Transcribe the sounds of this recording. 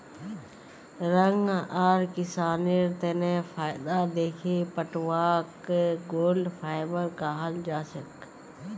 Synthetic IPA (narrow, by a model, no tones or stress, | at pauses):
ɾəŋɡaːɾkɪsaːniɾt̪enẽfʰaːɪd̪ad̪eːkʰepəʈwaːkɡoːlɖpʰaːɪbəɾkaːɦəld͡ʒaːsək